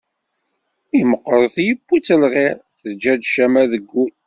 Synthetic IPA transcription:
iməqːɾˤθjəbːit͡sːəlʁɪɾˤθəd͡ʒːæd̪ʃæmæðəɡːun

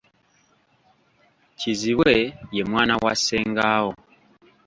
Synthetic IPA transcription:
ciziβweje̞mwaːnawaseːŋɡaho

